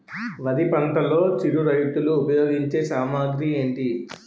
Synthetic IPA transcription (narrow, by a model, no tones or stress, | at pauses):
ʋɐd̪ipɐɳʈɐlo̞ːt͡ʃiɽuɾɐjt̪uluːpɐjoːɡiɲt͡ʃe̞ːsaːmaːɡɾie̞ːɳʈi